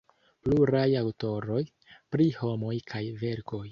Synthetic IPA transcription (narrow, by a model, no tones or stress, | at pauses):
pluɾajawto̞ɾo̞j | pɾiho̞mo̞jkʰajve̞ɾko̞j